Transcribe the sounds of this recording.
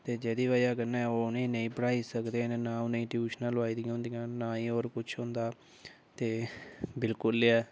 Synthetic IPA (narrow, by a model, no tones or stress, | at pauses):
t̪eːd͡ʒɛːd̪iːʋaːjaːkənːãːɛoːʊnẽːnəĩːpəɽaːiːsəkd̪eːnːnãːʊneĩːʈjuːʃnãːlaːiːd̪ij̃ɦʊ̃ːnd̪ijãːnaːĩːoːɾkʊt͡ʃʰɦõːnd̪aː | t̪eːbɪlkʊlɛː